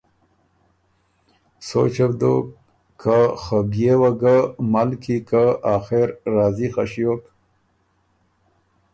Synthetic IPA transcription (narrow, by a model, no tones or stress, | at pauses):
so̰t͡ʃabd̪ok | kʰːaxəbjewaɡamalkʰikaaːxeɾːɑːzixaɕijok